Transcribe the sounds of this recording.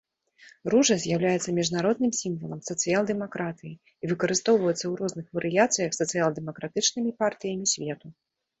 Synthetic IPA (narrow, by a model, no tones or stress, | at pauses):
ruʐɐzʲjawlʲajɛt̪sɐmʲiʐnaɾɔd̪nɨmsʲimvɐlˠɐmsɐt̪sɨjalˠd̪ɛmakɾat̪ɨji | ivɨkɐɾɨst̪ɔwvɐjɛt̪sɐwɾɔznɨxvɐɾʔɨjat̪sɨjɐxsɐt̪sɨjalˠd̪ɛmɐkɾat̪ɨt͡ʂnɨmʲipart̪ɨjɐmʲisʲvʲɛt̪u